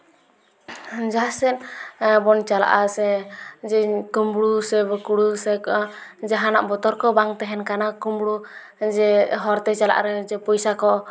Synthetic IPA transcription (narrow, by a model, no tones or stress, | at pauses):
d͡ʒasɛnbɔnt͡ʃala̰ʔasɛd͡ʒɛkumbɽusɛbɔkuɽusɛkd͡ʒɛɦanaʔbɔt̪ɔɾkɔbaŋt̪ɛɦɛnkanakumbɽu | d͡ʒɛɦɔɾt̪ɛt͡ʃala̰ʔa̰ɾɛd͡ʒɛpɔjsakɔ